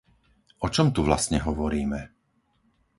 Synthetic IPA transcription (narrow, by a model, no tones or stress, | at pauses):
ɔt͡ʃɔmt̪uʋla̰st̪ɲɛɦɔʋɔɾiːmɛ